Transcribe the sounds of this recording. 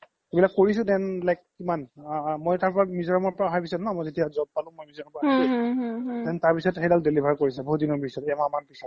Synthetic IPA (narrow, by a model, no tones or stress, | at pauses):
ebilakːoɹis̬ʊ̃dɛnlajk̚ː | imanmojtaɹpɔɹamizɔɹamɔɹpɔɹaɦajpisanmɔjzetiazɔb̚palʊ̃mojmizɔɔmpɔa | dɛntaɹpisɔtxejdaldelibʱaɹkoɹisɛbɔudinɔbisɔtamamanpisɔt